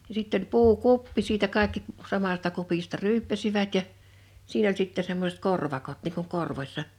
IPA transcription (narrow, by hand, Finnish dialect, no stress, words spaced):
jɑ sitː olʲ puːkupːi siːtæ kɑˑe̞kːi sɑmɑstɑ kupistɑ ryːpːæsiʋæt jɑ siːn olʲ sitːe semːosĕt korʋɑkot niŋ kuŋ korʋosʲsɑ